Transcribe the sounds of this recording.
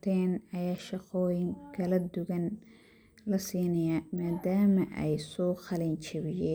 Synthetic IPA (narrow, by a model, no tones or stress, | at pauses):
t̪ʰɛːnɐjaːʃɑqɔːjɪŋkʰɐlɐd̪ʊɣɐn | lɐsiːnɐjamaːd̪aːmɐʔɛ̰jsɔːqɑlɛnt͡ʃɪβɪjɛː